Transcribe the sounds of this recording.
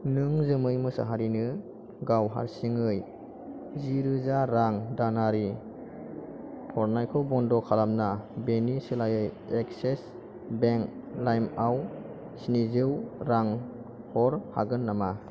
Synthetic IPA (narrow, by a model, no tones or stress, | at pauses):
nɯŋzɯmɯjmɯsa̰ɦaɾinɯ | ɡawɦa̰ɾsiŋɯj | ziɾɯzaɾaŋdanaɾi | pʰɔɾnajkʰɔbɔndɔkʰalamnabenisɯlajɯj | ek̚ses | beŋk | lajmaw | sinizɯwɾaŋ | hɔɾha̰ɡɯnːama